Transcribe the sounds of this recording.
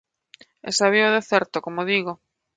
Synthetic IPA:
ḛsaβioðeθɛɾt̪okomoðiɣo

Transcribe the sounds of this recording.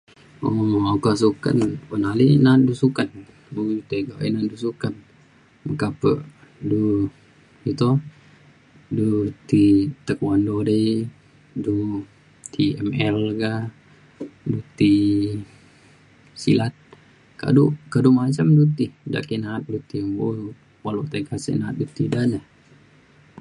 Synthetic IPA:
oakasuka̰nwənalinat̪̚dusukan | uɡdut̪eɡaʔḭnat̪̚dusukan | məkapəʔ | du | ɡit̪o | dut̪it̪əkwandodəj | du | t̪ʰiɛmɛlɡa | dut̪i | sḭlat̪̚ | ka̰ʔdukadumat͡ʃamdut̪ida̰ʔkinaːt̪̚dut̪ibo | waloʔt̪akasḭʔnaat̪̚dut̪idanəh

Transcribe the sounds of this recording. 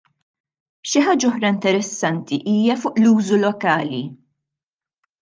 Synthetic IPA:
ʃɪħaːd͡ʒɐɔħɾɐɪnt̪ɛɾɛsːɐnt̪iʔiːjɐfʊːʔluːzulɔkɐːli

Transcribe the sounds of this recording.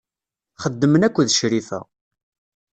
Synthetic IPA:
χəd̪ːəmənækʷːðʃɾifæ̰

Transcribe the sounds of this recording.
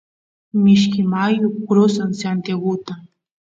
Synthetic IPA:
mɪʃ̬kɪmajʊkɾosansant̪jaɡʊt̪a

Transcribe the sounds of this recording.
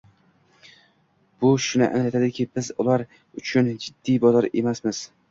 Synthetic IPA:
b̥ʊʃʊnɪ̰ʔa̰nlat̪ʰad̪ɪkʲʰɪbɪzʊlˠaɾ | ʊt͡ʃʰʊnd͡ʒɪd̪ːijbɒzɒɾe̞̰masmɪz̥

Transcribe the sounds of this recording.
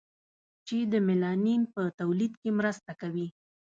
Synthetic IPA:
t͡ʃed̪əmɪlɑninpət̪awlid̪kemɾəst̪akawi

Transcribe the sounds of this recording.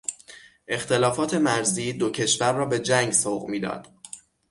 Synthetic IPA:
ʔe̞xt̪e̞lɒːfɒːt̪ʰe̞mæɾziːd̪ocʰe̞ʃvæɾːɒːbe̞d͡ʒæŋɡsoːɣmiːd̪ɒ̰ːd̪̥

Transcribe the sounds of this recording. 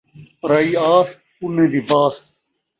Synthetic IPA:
ɾaiːaːs | unẽːd̪ibaːs

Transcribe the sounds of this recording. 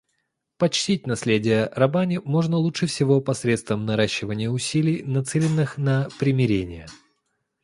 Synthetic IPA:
pɐt͡ɕtʲit̚ʲnɐslʲedʲɪjərɐbanʲɪmo̞ʐnəlˠutʂɨfsʲɪvo̞pɐsɾʲe̞t̪st̪vəmnɐɾaɕːɪvənʲɪjəʊsʲilʲɪjnɐt̪sɛlʲɪnːɨxnəpɾʲɪmʲɪɾʲenʲɪjə

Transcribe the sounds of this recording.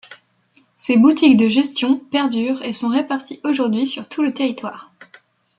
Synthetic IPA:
sebut̪ikd̪əʒɛst̪jɔ̃pɛʁd̪yʁesɔ̃ʁepaʁt̪ʰiʔoʒuʁd̪ɥisyʁt̪ʰulət̪eʁit̪waːʁ

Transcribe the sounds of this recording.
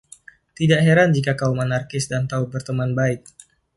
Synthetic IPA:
t̪idaʔɦeɾand͡ʒikakaumənarkɪsdant̪aubərt̪əmanbaɪt̪̚

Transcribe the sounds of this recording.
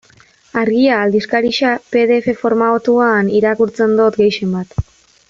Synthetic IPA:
aɾɣiaːld̪iskaɾiʃape̞ðe̞fe̞fo̞ɾmaot̪uaːniɾakuɾt͡se̞nd̪o̞t̪ɡe̞jʃe̞mbat̪

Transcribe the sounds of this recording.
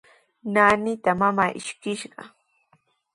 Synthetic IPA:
naːnɪt̪amamaːʔɪʃkɪʃɢɑ̰

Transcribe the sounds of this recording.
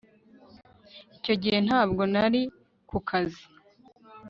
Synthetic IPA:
ico̞ɟihe̞n̥haːbɡo̞naɾi | kukʰazi

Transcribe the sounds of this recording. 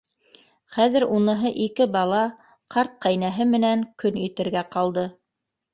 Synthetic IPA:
χæðɘ̆ɾunɤ̆ɦɤʔikɘbɑlˠɑ | qʰɑɾt̪̚qæjnæɦɘmɘ̆næŋkɵnɵt̪ɘ̆ɾɡæqɑlˠd̪ɤ

